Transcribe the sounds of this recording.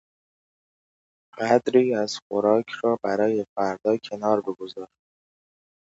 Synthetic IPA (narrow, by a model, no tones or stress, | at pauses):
ɢ̥æd̪ɾiːæz̥xoɾɒːkʰɾɒːbæɾɒːje̞fæɾd̪ɒːcʰe̞nɒːɾbeɡo̞zɒːɾ